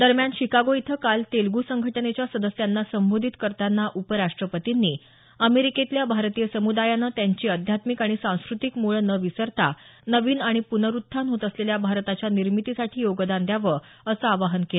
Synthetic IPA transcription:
d̪əɾmjanɕikaɡoit̪ʰəkalt̪elɡusəŋɡʱəʈənet͡ɕjasəd̪əsjanːasəmbod̪ʱit̪kəɾt̪anːaʔupəɾaʂʈɾəpət̪inːiː | əmeɾiket̪ljabʱaɾt̪ijəsəmud̪ajanət̪jaɲt͡ɕiːəd̪ʱjat̪mikaɽ̃isãw̃skɾut̪ikmuɭənəʋisəɾt̪anəʋiːnaɽ̃ipunəɾut̪ʰːanɦot̪əsleljabʱaɾt̪at͡ɕjaniɾmit̪isaʈʰiːjoɡd̪and̪jaʋə | əsəaʋaɦənkel

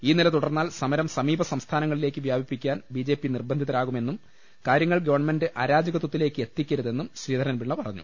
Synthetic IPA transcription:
iːnilɐt̪uɽɐrnːaːlsɐmɐɾɐmsɐmiːbɐsɐmst̪ʰaːnɐŋːɐɭile̞ːkːɨʋjaːbʱipːikʲːaːnbid͡ʑe̞ːpːinirbɐnd̪ʱitðɐɾaːɣume̞nːum | kaːɾjɐŋːɐɭɡɐʋɐrɳɐme̞ndɨʔaːɾaːd͡ʑɐɣɐt̪ːut̪ːile̞ːkːɨe̞t̪ːikʲːɐɾuðe̞nːumɕɾiːd̪ʱɐɾɐnʋiɭːɐpɐrɐɲːṵ

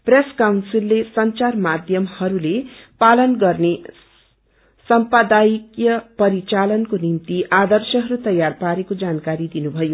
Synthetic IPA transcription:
preskawnsilːesʌnt͡sarmad̪ʱjʌmhʌɾulepalʌnɡʌrne | sʌmpʌd̪ajkjʌpʌɾit͡salʌnkonimt̪iad̪ʌrsʌɦʌɾut̪ʌjarpaɾekod͡zankaɾid̪inubʱʌjo

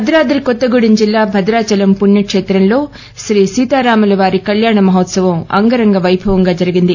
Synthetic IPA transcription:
ɐd̪ɾaːd̪ɾikɔt̪ːɐɡuɽind͡ʒilːaːbʱɐd̪ɾaːt͡ʃɐlɐmpunjɐkʂeːt̪ɾɐmlo̞ː | ʃɾiːsiːt̪aːɾaːmɐlɐʋaːɾikɐljaːɳɐmɐɦɐt̪sɐʋɐmɐ̰ŋɡɐɾɐŋɡɐʋɐjbʱɐʋɐŋɡaːd͡ʒɐɾiɡind̪i

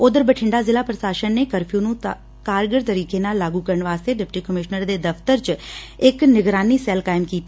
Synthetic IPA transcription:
ʊd̪əɾbəʈʰɪɳɖaːzɪlaːpɾəsaːʃənːeːkəɾpʰjũːnũː | kaːɾɡəɾt̪əɾiːkeːnaːlːaːɡuːkəɾəɳʋaːst̪eːɖɪpʈiːkəmɪʃnəɾd̪eːd̪əpʰt̪əɾt͡ʃɪknɪɡɾaːniːsɛːlkaːɪmkiːt̪ː

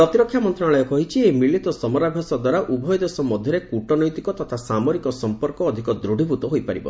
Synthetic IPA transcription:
pɾɔt̪iɾɔkʰːjamɔnt̪ɾɔaɭɔjɔkɔɦit͡ʃʰiemiɭit̪ɔsɔmɔɾabʱjɔsɔd̪waɾaʔubʱɔjɔd̪ɔsɔmɔd̪ʱjɔɾekuʈɔnɔjt̪ikɔt̪ɔt̪ʰasamɔɾikɔsɔmpɔɾkɔːd̪ʱikɔd̪ɾuɽ̤ʱibʱut̪ɔɦojpaɾibɔ̰

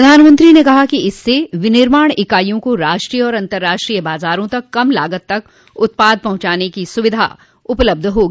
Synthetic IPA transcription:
ɾɐd̪ʱaːnmə̃nt̪ɾinekɐɦakiɪsːeʋɪnɪɾmaːɽ̃ɪkaːjõkoɾaːʃʈɾijɔːɾɐ̃nt̪əɾːaːʃʈɾijəbaːzaːɾõt̪ɐkːɐmla̰ːɡət̪ːɐk | ʊt̪̚paːd̪̚ʱpɐɦʊ̃t͡ʃaːnekisʊʋɪd̪ʱa̰ | ʊpləb̚d̪ʱɦoːɡi

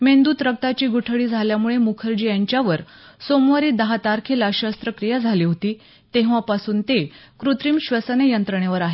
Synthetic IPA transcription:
mend̪uːt̪ɾək̚t̪at͡ɕiːɡuʈʰəɭiːd͡zʱaljamuɭemukʰəɾd͡ʑijaɲt͡ɕjaʋəɾ | somʋaɾiːd̪əɦat̪aɾkʰelaɕəst̪ɾəkɾijəd͡zʱaliːɦot̪iː | t̪eɦʋapasuːnt̪ekɾut̪ɾiːmɕʋəsənejənt̪ɾəɳ̃jeʋəɾaɦe

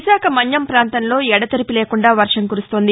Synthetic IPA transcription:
ʃaːkʰɐmɐɲjɐmpɾaːnt̪ɐnlo̞ːɛɽɐt̪ɐɾipile̞ːkuɳɖaːʋɐɾʂɐŋkuɾust̪o̞ːnd̪i

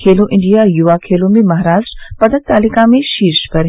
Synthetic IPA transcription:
kʰeːloʔɪ̃ɳɖijajuʋakʰeːlomemɐɦɾaːzpɐd̪ənt̪aːlikãmẽʃiːɾʃpɐɾɦ

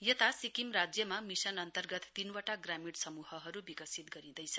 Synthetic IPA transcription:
jʌt̪asikimrad͡zjʌmamisʌnʌnt̪ʌrɡʌt̪ːinwaʈaɡramiɽsʌmuɦʌɦʌɾubikʌsit̪̚ɡʌɾĩd̪ʌjt͡sʰʌ

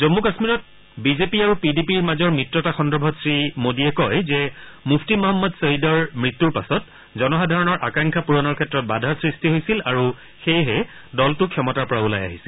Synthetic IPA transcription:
zomːukasmiɹɔt̚ | bizepiaɹupidipiɹmazɔɹmɹitɹɔtaxɔndɔbʱɔtsɹimodiɛkɔjzɛmukʰtimɔɦɔmːɔdseidɔɹmɹitːuɹpa̰sɔt | zɔnɔxadʱaɹɔnɔɹʔakaŋkʰapuɹɔnɔɹkʰɛtːɹɔt̚badʱaɹsɹistiɦojsilaɹu | xejɦɛdɔltʊkʰjɔmɔtaɹpɔɹaula̰ja̰ɦisil

